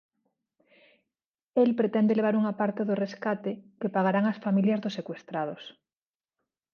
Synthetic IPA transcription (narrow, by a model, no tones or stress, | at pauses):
elpɾet̪ɛnd̪eleβ̞aɾuŋapaɾt̪eðoreskat̪ekepaɣ̞aɾaŋasfamiljazðosekwest̪ɾað̞os